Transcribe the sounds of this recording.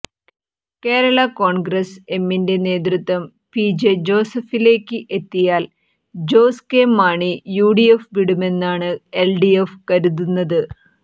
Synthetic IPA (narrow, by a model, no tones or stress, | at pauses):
ke̞ːɾɐɭɐko̞ːɳɡɾɐse̞mːinde̞ne̞ːd̪̬rut̪ːʋɐm | pid͡ʑed͡ʑo̞ːsɐfile̞ːkʲːɨʔe̞t̪ːijaːl | d͡ʑo̞ːskeːmːaːɳijuːɖijefʋiɽume̞nːaːɳɨelɖiefkɐɾuðunːɐðɨ